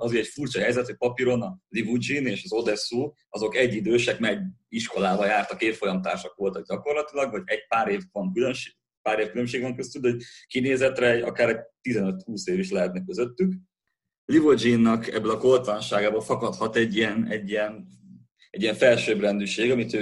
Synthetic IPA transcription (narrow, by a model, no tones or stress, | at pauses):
ɒziɛcfurt͡ʃɒɦɛjzɛt̪ɛc̚pɒpiɾonɒlivud͡ʒineːʃɒzo̞d̪ɛsuː | ɒzo̞kɛɟːid̪øːʃɛkmɛɟiʃkolaːbɒjaːrt̪ɒkeːt̪fo̞jɒmt̪aːrʃɒkʋo̞lt̪ɒɡ̚ɟɒko̞rlɒt̪ilɒɡvɒɟɛɟ̚paːɾeːvvɒŋkyløʃ | paːɾeːfkylø̞mʃeːɡvɛŋkøst̪yloɟ̚kineːzɛt̪rɛɒ̰kaːɾɛɟt̪izɛnøt̪huːseːviʃlɛɦɛt̪nɛkːøzøt̪ːyk | livod͡ʒinːɒkɛ̰bːølɒkolt̪ɒnʃaːɡaːbɒfɒkɒt̪hɒt̪ɛɟːiɛnɛɟːijɛn | ɛɟːijɛɱfɛlʃøːbrɛnd̪yʃeːɡɒmit̪øː